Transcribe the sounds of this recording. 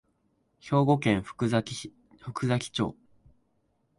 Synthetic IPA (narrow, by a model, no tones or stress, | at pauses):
ço̞ːɡo̞kẽ̞ɰ̃ɸʲ | ɸɯ̟kɯ̟zakʲi̥t͡ɕo̞̰ː